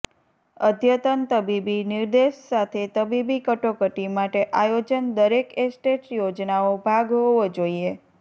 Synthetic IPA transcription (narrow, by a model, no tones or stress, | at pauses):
əd̪ʱjət̪ənt̪əbibiniɾd̪eʃsat̪ʰet̪əbibikəʈokəʈimaʈeʔajod͡ʒənd̪əɾekesʈeʈjod͡ʒnaobʱaɡɦoʋod͡ʒoie